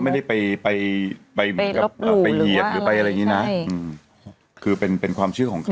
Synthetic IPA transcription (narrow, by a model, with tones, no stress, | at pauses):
wma˥˩jda˥˩jpa˧jpa˧jpa˧jmɯ˦˧˦ka˧˦˥ʔəː˨˩pa˧jji˨˩əɾɯː˨˩˦pa˧jʔa˧ɾa˧ja˧˩ŋiː˦˥na˦˥ʔɯː˧ | kʰɯː˧pe˧npe˧nkʰwaː˧mt͡ɕʰɯ˥˩kɔː˩˦ŋkʰ